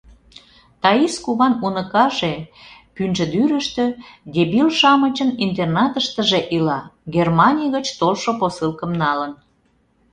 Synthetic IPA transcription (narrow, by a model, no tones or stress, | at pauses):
t̪ɑiskuβɑnunəkɑʒepynʒə̆d̪yɾə̆ʃt̪ø̆d̪ʲebilʃɑmət͡ɕənint̪̬ernɑt̪əʃt̪əʒeʔilɑɡermɑnʲijɣət͡ɕt̪olʃoposɨlkə̆mnɑlən